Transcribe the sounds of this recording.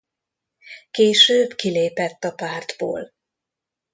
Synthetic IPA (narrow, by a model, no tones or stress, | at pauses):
keːʃøːbkileːpɛt̪ːɒpaːrd̪bo̰ːl